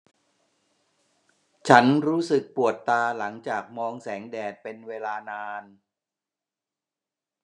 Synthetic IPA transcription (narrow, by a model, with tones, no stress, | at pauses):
t͡ɕʰa˦˥nɾuː˦˥sɯ˨˩k̚pu˨˩ət̪ːaː˧la˩˦ŋt͡ɕaː˨˩k̚mɔː˧ŋsɛː˩˦ŋdɛː˨˩t̪̚pe˧nweː˧laː˧naː˧n